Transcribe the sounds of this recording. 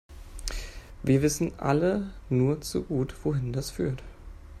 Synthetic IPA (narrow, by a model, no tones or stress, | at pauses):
viːɐvɪsn̩ʔa̰lənuːɐt͡sṵɡuːtv̥oɦɪndasfyːɐt